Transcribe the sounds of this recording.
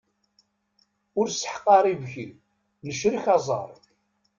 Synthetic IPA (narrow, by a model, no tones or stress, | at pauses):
ʊɾsə̥ħə̥qːɑɾˤivçəl | nəʃɾiçɑzˤə̰ɾˤ